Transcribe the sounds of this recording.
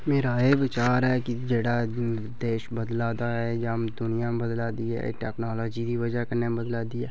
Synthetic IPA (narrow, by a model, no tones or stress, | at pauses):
meːɾaːɦebɪt͡ʃaːɾɛkid͡ʒeːɽaː | d̪eːʃbəd̪laːd̪aɦɛd͡ʒaːmd̪ʊnɪjãmbəd̪laːd̪iɦɛ̰ʈɛːknaːloːd͡ʒid̪iʋəd͡ʒakəɾnebəd̪laːd̪iɦɛː